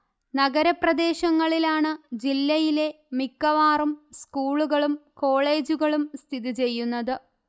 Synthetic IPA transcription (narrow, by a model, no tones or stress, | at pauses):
nɐɡɐɾɐprɐd̪e̞ːɕɐŋːɐɭilaːɳɨd͡ʑilːɐjile̞ | mikːɐʋaːrumskuːɭuɣɐɭumko̞ːɭe̞ːd͡ʑuɣɐɭumst̪ʰiðit͡ɕe̞jːunːɐðɨ